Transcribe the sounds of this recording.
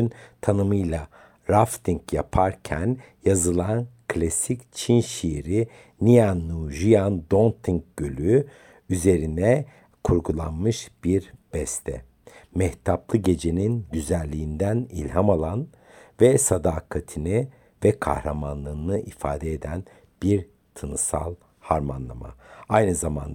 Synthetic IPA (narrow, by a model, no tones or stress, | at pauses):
ynt̪ʰanɯmɯjlˠa | ɾaft̪ʰiŋkjapʰaɾcʰæn | jazɯlˠankʰlʲasict͡ʃʰinʃijɾi | nijanːuʒyjand̪o̞nt̪ʰiŋk̚ɟ̥ølʲy | yze̞ɾinɛ | kʰuɾɡulˠanmɯʃb̥iɾb̥ɛst̪ʰɛ̰ | mɛht̪ʰaplˠɯɟe̞d͡ʒe̞ninɟyzælʲːiːnd̪ænilʲɦamalˠan | vɛsad̪aːkʰat̪ʰinɪ | vɛkʰa̰hɾamanlˠɯːnɯʔifa̰ːd̪ɛed̪æn | b̥iɾ | t̪ʰɯnɯsa̰lˠ | haɾmanlˠa̰ma̰ajnɯzama̰nd̪